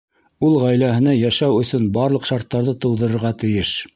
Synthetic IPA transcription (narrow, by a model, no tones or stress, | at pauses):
ulˠʁæjlæhɘ̆nɑjæʃæwɵ̆sɵnbɑɾlˠɤ̆qʃɑɾt̪ːɑɾðɤt̪ɤ̆wðɤ̆ɾɤ̆ɾʁɑt̪ɘ̆jɘʃ